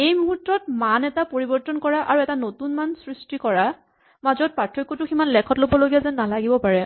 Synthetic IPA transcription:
ejmɔɦutːɔt̚manɛtapoɹibɔɹtɔnkɔɹaʔaɹuɛtanotunmansɹistikɔɹa | mazɔt̚patʰɹokːɔtʊximanlɛkʰɔtlobɔloɡijazɛnnalaɡibɔpaɹɛ

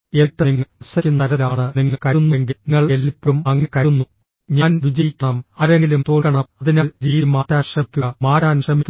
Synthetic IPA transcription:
eʈːɐniŋːɐsɐkʲːunːɐɐɾɐlaːɳɨniŋːɐɭkɐunːuŋɡiŋːɐɭelipʲːɐmɐŋːɐkɐunːu | ɲaːnʋid͡ʑɐjikʲːɐɳɐmɐɾeŋɡilumt̪o̞ːɭkːɐɳɐmɐðinɐlɾiːimaːt̪ːaːɕrɐkʲːuɐmaːɾaːnɕrɐmikː

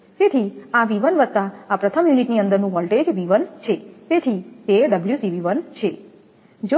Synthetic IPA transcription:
t̪et̪ʰiaʋiʋənʋət̪ːaapɾət̪ʰəmjuniʈniənd̪əɾnũʋɔlʈed͡ʒʋiʋənt͡ʃʰet̪et̪ʰit̪eɖəbljusiʋiʋənt͡ʃʰe | d͡ʒo

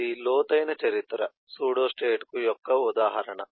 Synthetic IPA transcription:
ilɔːt̪ɐjnɐt͡ʃɐɾit̪ːɾɐ | suːɽoːsʈeːʈkujɔkːɐud̪aːɦɐɾɐɳɐ

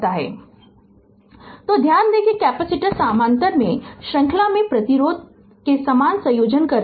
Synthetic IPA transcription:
t̪aɦɛ̰ː | t̪oːd̪ʱjaːnd̪ekekɛːpɛsɪʈəɾsaːmãːnt̪əɾmḛ̃ʃɾɐ̃ŋkʰlamẽpɾɐt̪iɾoːd̪̚ | kesɐmaːnsɐ̃joːd͡ʒənkɐɾ

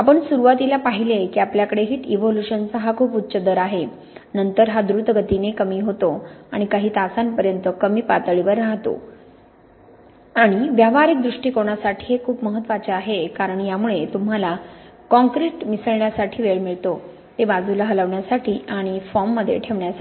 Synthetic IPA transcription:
apəɳsuɾuʋat̪ilapaɦilekiapljakəɽeɦiːt̪iʋoluɕənt͡səɦakʰuːput̪ːɕəd̪əɾaɦe | nənt̪əɾɦad̪ɾut̪ɡʱət̪inekəmiːɦot̪oaɽ̃ikaɦiːt̪asanpəɾjənt̪əkəmiːpat̪əɭiʋəɾːaɦt̪o̰ | aɽ̃iʋjaʋaɾik̚d̪ɾuʂʈiːkoɳjasaʈʰi̥ːɦekʰuːpməɦət̪ːʋat͡ɕeaɦekaɾəɳjamuɭet̪um̤ala | kɔ̃ŋkɾiʈmisəɭɳjasaʈʰiːʋeɭmiɭt̪o | t̪ebad͡zʱulaɦələʋɳjasaʈʰiːaɽ̃ifɔmːəd̪ʱːjḛʈʰeʋɳjasai

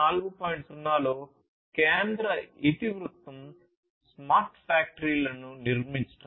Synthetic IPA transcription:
aːluɡupoːjɳʈsunːaːloː | keːnd̪ɾɐit̪iʋɾut̪ʋɐm | smaːɾʈfaːk̚ʈɐɾiːlɐnuniɾmiɲt͡ʃɐ̥ʈː

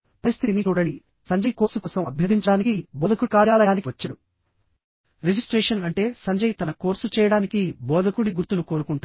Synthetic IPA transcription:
pɐɾist̪ʰit̪init͡ʃuːɽɐni | sɐɲd͡ʒɐjkoːɾsukɔːsɐmɐbʱjɐd̪iɲt͡ʃɐɽaːnikibɔːd̪ʱɐkuɽkaːɽjaːlɐjaːnikiʋɐt͡ʃːɐɽu | ɾed͡ʒisʈɾɛːʂɐnɐɳʈe̞ːsɐɲd͡ʒɐjt̪ɐnɐko̞ːɾsut͡ʃɛːjɐɽaːnikibɔːd̪ʱɐkuɽiɡuɾt̪ːunukoːɾukuɳʈaː

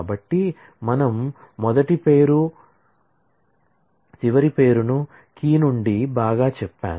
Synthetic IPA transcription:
bɐʈːi | mɐnɐmːɔd̪ɐʈipe̞ːɾu | t͡ʃiʋɐɾipe̞ːɾunu | kiːnuɳɖibaːɡaːt͡ʃɛpːa̰ː

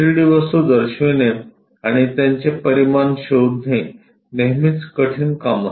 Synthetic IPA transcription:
ɾɽiʋəst̪ud̪əɾɕʋene | aɽ̃it̪jãɲt͡ɕepəɾimanɕowd̪ʱe | neɦmit͡skəʈʰiːnkama

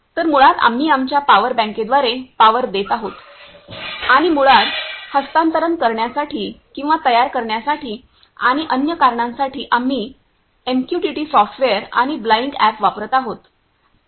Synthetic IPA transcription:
t̪əɾmuɭat̪a̰m̤iːamt͡ɕjapaʋəɾbɛ̃ŋked̪ʋaɾepaʋəɾd̪et̪aɦot̪ | aɽ̃imuɭat̪həst̪ant̪əɾənkəɾɳjasaʈiːkĩw̃ʋat̪əjaɾkəɾɳjasaʈʰiː | aɽ̃iʔənjəkaɾɳãnsaʈiːʔamiː | emkjuʈiʈiːsɔfʈʋeəɾa̰ɽ̃iblaiŋkæpʋapɾət̪aɦot̪

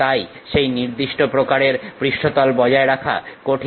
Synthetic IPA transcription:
aj | ʃejniɾd̪iʃʈopɾokaɾeɾpɾiʃʈʰot̪ɔlbɔd͡ʑaeɾakʰa̰koʈʰi

